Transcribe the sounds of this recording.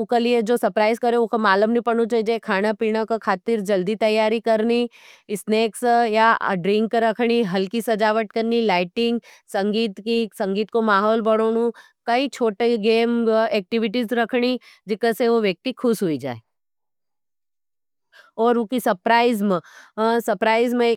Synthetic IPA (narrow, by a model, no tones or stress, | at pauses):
ʊkelijed͡ʒoːsɐɾpɾaːɪzkɐɾeokomaːləmnipɐɽ̃ut͡ʃaid͡ʒaːekʰaːnapiːɽ̃akokʰaːt̪ɪɾd͡ʒɐld̪it̪ɐjːaːɾikɐɾni | ɪsneːksjaɖɾɪ̃ŋkːɾɐkʰɽ̃iɦɐlkisɐd͡ʒaːʋəʈkɐɾnilaːɪʈɪ̃ŋɡsɐ̃ŋɡiːt̪kisɐ̃ŋɡiːt̪̚komaːɦɔːlbɐɽ̃oːɽ̃ũ | kɐit͡ʃʰoːʈeɡeːmeːk̚ʈɪʋɪʈizɾɐkʰɽi | d͡ʒɪkəseʋoʋjɐk̚t̪ikʰʊʃɦʊid͡ʒa̰ːeː | ɔːɾʊkisɐpɾaːɪzmsɐpɾaːɪzme